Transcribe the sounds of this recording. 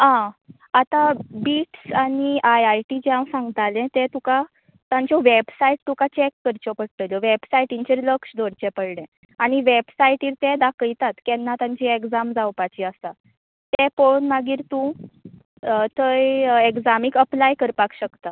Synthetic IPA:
ɦã | at̪abiːʈsaɽ̃iʔajajʈid͡ʑɛãwsãŋɡt̪alɛ̃t̪ɛ̃t̪ũka | t̪ãɲt͡ɕɔʋebsaiʈ̚t̪ukat͡ɕɛkːəɾt͡ɕɔpəɽʈ̪əljɔʋebsaiʈiɲt͡ɕeɾləkɕd̪ʱoɽt͡ɕɛ̃pəɽɳɛ̃ | aɽ̃iʋebsaiʈiːɾt̪ɛ̃d̪akəjt̪at̪kɛnːat̪ãɲt͡ɕiekd͡zamd͡zawpat͡ɕiast̪a | t̪ɛponmaɡiːɾt̪ũ | t̪əjeɡd͡zamikəplajkəɾpakɕəkt̪a

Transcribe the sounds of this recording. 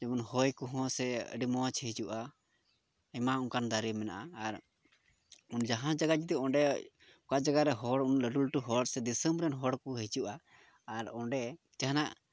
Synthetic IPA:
d͡ʒɛmunhɔjkuɦɔ̃sɛə̰ɖimɔwat͡ʃʰɛɦid͡ʒuʔa | əmauŋkand̪aɾimɛna̰ʔaːɾ | und͡ʒaɦãnd͡ʒaɡad͡ʒit̪ɛɔɳɖɛ | kad͡ʒaɡaɾɛɦɔɽunləɖulʈuɦɔɽsɛd̪isəmbɾɛnɦɔɽkɔɦid͡ʒuʔaː | ɾɔɳɖɛ | d͡ʒaɦanaʔ

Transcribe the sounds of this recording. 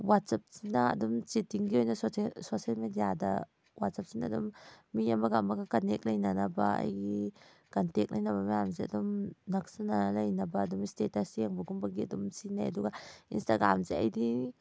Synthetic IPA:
wat̚sap̚sinɐɐ̰dumt͡ʃetiŋɡiojnɐssosialmedijadɐ̰ | wat̚sap̚sinaːdumːiamɐɡamɐɡakɐnek̚lɐjnanɐbɐɐ̰jɡi | kantek̚lɐjnɐβɐmajamzeɐdumnɐksananɐlɐjnɐbɐːdumistetasjeŋbɐɡumbɐɡiɐdumsinajɐduɡainstaɡɾamzeɐ̰jdi

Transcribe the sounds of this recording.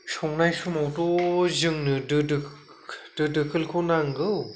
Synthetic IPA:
sɔŋnajsumawtozɯŋnɯdɯd | d̥ɯdɯkʰɯlkʰonaŋɡɯw

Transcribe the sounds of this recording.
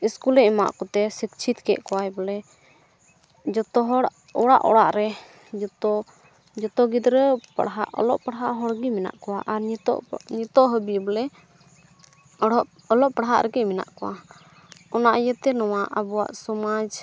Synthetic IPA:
iskulɛɛma̰ʔkɔt̪ɛsikt͡ʃʰit̪kɛ̰ʔkɔwajbɛlɛ | d͡ʒɔt̪ɔɦɔɽ | ɔɽaʔɔ̰ɽaʔɾɛ | d͡ʒt̪ɔ | d͡ʒɔt̪ɔɡid̪ɾəpa̰ɽɦa̰ʔɔ̰lɔ̰ʔpaɽɦaʔɦɔɽɡimina̰ʔkɔwaʔaɾɲt̪ɔ̰ʔɲit̪ɔʔɦəbibɛlɛ | ɽʔ | ɔlɔʔpaɽɦa̰ʔɾɛɡɛmina̰ʔkɔwa | ɔnaʔjɛt̪ɛnɔwaʔəbuwa̰ʔsɔmad͡ʒ

